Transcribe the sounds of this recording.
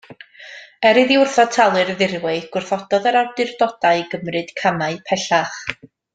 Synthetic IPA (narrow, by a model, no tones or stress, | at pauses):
ɛɾɨðiʊrθɔtʰalˠɨrðɪrwɛɡ̥wʊrθɔd̥ɔðəɾawdɨrdɔd̥aɨɡəmrɨd̥kʰamaɨpʰɛɬaχ